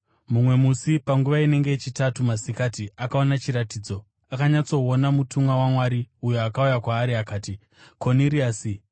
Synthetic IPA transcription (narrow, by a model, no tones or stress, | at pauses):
mumwe̞musipaŋɡuʋaine̞ŋɡe̞et͡ʃitatumasikaːtiakao̞nat͡ʃiɾatiːd͡zo̞ | akaɲat͡so̞onamutʰumwawamwaːɾiujoakaujakwaːɾiakaːti | kʰo̞niɾiaːsi